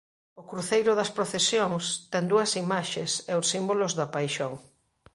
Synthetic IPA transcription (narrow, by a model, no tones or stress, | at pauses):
ʊkɾuθejɾʊðɐspɾoθesjoŋst̪ɛŋd̪uɐsimaʃesɛʊsimbolʊzðɐpajʃoŋ